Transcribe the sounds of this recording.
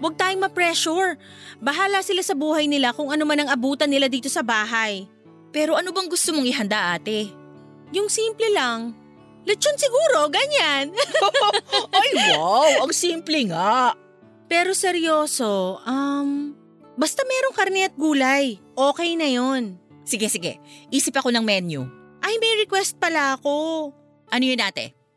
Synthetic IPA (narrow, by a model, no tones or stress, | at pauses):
wɐɡ̚t̪aːjoŋmɐpɹɛʃuɹ | bɐɦaːlɐsɪlasɐbuːhɐjnɪlakʊŋɐnomanɐŋɐbuːt̪ɐnːɪlad̪iːt̪osɐbaːɦaj | pɛːɾo̞ʔɐnobɐŋɡʊst̪omoŋɪɦɐnd̪aʔaːt̪ɛ | jʊŋsiːmplɛlɐŋ | lɛt͡ʃːonsɪɡuːɾo̞ɡɐɲan | ɐjwawʔɐŋsiːmplɛŋaʔ | pɛːɾo̞sɛɾjo̞ːso̞ʔɐm | bɐst̪amɛːɾo̞ŋkɐɾnɛɐt̪̚ɡuːlɐjʔoːkɛjnɐjon | sɪɡɛsɪɡɛ̰ʔiːsɪpɐko̞nɐŋmɛnjṵʔɐjmɐjɾɛkwɛst̪̚pɐlaʔɐko̞ | ʔɐnojʊnʔaːt̪ɛ̰